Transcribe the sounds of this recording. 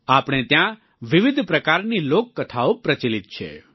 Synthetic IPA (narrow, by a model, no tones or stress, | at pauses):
aːpɽ̃et̪jã | ʋɪʋɪd̪ʱpɾəkaːɾniloːkːət̪ʰaopɾət͡ʃilɪt̪̚t͡ʃʰḛ